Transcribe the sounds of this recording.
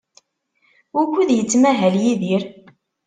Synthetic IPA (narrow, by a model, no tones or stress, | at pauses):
ʊɾkʷːuðjət͡sːmæɦæljiðiɾ